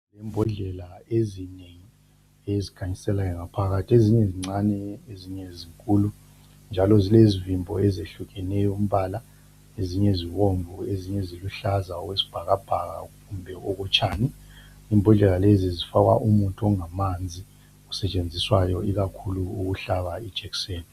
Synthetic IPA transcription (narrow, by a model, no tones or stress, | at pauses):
lɛmbʱɔɮɛlaezineŋi | ezikʰaɲisɛlajɔŋapʰaɣatʰieziɲɛziŋ͡ǀanɛeziɲeziŋkʼulu | nd͡ʒʱalɔzilezivimbʱɔɛzeɬuɣɛnɛjɔum̩βala | eziɲeziβoɱvʱueziɲɛziluɬazaɔwesi̥b̥ʱaɣab̥ʱaɣa̰ɣumbʱɛʔɔɣɔt͡ʃʰʼaːni | imbʱɔɮɛlalezizifaɣwa̰ʔumutʰɔŋamand͡zʱi | usɛt͡ʃʼend͡zʱiswajɔiɣakʰuluuɣuɬaβai̥ʒ̥ʱɛkseːn